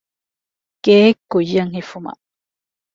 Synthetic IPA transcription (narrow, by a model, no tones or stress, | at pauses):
kekːujaŋhifuma̰